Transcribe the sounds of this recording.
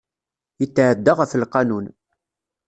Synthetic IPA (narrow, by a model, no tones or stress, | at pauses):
jət͡sːʕəd̪ːəʁəflqɑnun